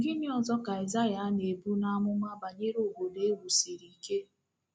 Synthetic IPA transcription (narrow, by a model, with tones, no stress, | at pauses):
ŋ̩˨ɡɪ˦nɪ˦ɔ˨zɔ˦ka˨i˨za˦ja˨˦ne˨bu˦na˦a˦mʊ˦ma˦ba˨ɲe˦ɾo˨ɦo˨le˦wu˨si˨ɾi˨i˨ke˦